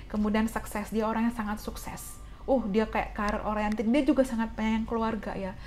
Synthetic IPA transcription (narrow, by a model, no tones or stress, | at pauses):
kəmudiansəksɛsdiaoɾaŋjaŋsaŋat̪suksɛ̰s | ʊhdiakaja̰ʔkaɾʔoɾaŋjaŋt̪indiad͡ʒuɡasaŋat̪̚paɲaŋjaŋkəluarɡa̰ja